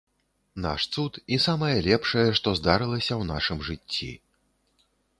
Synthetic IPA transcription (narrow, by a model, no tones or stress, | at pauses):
na̰ʂt̪sut̪isamɐjɐlʲɛpʂɐjɛʂt̪ɔzd̪aɾɨlˠɐsʲɐwnaʂɨmʐɨt͡st͡sʲːḭ